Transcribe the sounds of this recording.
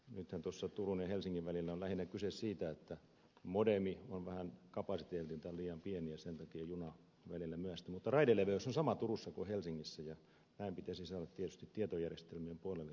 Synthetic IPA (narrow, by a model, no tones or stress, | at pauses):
nyt̪hænt̪osːɑt̪urunjɑhelsiŋːiʋʋælilːæollæhinækysessiːt̪æet̪ːæ | modemionʋæhænkɑpɑsit̪eːlt̪int̪ɑliːjɑmpieniæsent̪ɑkiɑjunɑ | ʋælilːæmyæst̪æmut̪ːɑrɑideleʋeosːonsɑmɑt̪urusːɑkuhelsiŋːisːæjɑ | næimpit̪æsisɑːɾɑt̪t̪iet̪y̥st̪it̪t̪iet̪ojærjest̪elmiempuolelːe